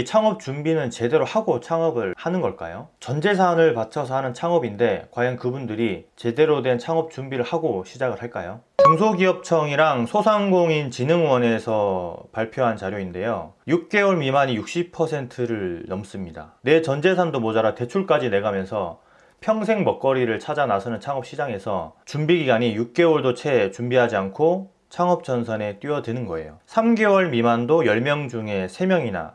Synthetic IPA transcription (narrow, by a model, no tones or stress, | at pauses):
t͡ɕʰaŋʌp̚t͡ɕumbinɯnt͡ɕe̞de̞ɾohaɡot͡ɕʰaŋʌbɯɭhanɯnɡʌɭk͈a̰jot͡ɕʌnd͡ʑe̞s̬ʰanɯɭpat͡ɕʰʌsʰʌɦanɯnt͡ɕʰaŋʌbinde̞kwajʌnkɯbundɯɾit͡ɕe̞de̞ɾodwe̞nt͡ɕʰaŋʌp̚t͡ɕ͈umbiɾɯɭhaɡoɕʰid͡ʑaɡɯɭɦaɭk͈ajo | koŋsʰoɡiʌp̚t͡ɕʰʌŋiɾaŋsʰosʰaŋɡoŋint͡ɕinɯŋwʌne̞sʰʌpaɭpʰjoɦant͡ɕaɾjoinde̞jojuk̚k͈e̞wʌɭmimaɲijuk̚ɕ͈ipʰʌsʰe̞ntʰɯɾɯɭnʌms͈ɯmɲida̰ne̞t͡ɕʌnd͡ʑe̞sʰandomod͡ʑaɾate̞t͡ɕʰuɭk͈ad͡ʑine̞ɡamjʌnsʰʌ | pʰjʌŋsʰe̞ŋmʌk̚k͈ʌɾiɾɯɭt͡ɕʰad͡ʑanasʰʌnɯnt͡ɕʰaŋɦʌp̚ɕ͈id͡ʑaŋe̞sʰʌt͡ɕumbiɡiɡaɲijuk̚k͈e̞wʌɭdot͡ɕʰe̞t͡ɕumbiɦad͡ʑiankʰo | t͡ɕʰaŋʌp̚t͡ɕ͈ʌnsʰʌne̞t͈ɥiʌdenɯnɡʌe̞̰jo̰sʰamɡe̞wʌɭmimandojʌɭmjʌŋd͡ʑuŋe̞sʰe̞mjʌŋina̰